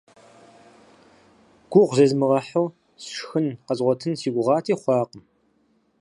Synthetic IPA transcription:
ɡ̥ʷʊʁʷzɐzmɨʁɐħɐw | sʂxɨnqɐzʁʷɔtʰɨnsiːɡʷʊʁɑːtʰiːχʷɑːqəm

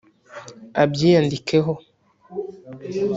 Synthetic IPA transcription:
abjijandikeɦo

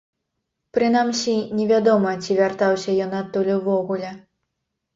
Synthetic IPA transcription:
pɾɨnamsʲinʲɛvʲad̪ɔmɐt͡sʲivʲart̪awsʲɐjɔnat̪ːulʲuvɔɣulʲɛ

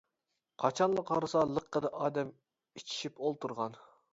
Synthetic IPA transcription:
qʰɑt͡ʃʰɑnlˠəqʰɑɾɨsɑlˠəqːəd̪ɑʔɑːd̪ɛm | it͡ʃʰi̥ʃipolˠt̪ʰuɾʁɑn

